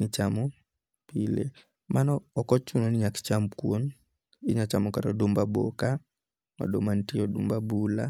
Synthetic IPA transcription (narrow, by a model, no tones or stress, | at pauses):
nit͡ʃamɔ | pilḛ | manɔːkɔt͡ʃuŋɔnɪɲakt͡ʃamkwon | ɪɲat͡ʃamɔkaɾɔdumbabo̰ka | ɔ̰domantiɔdumbabula̰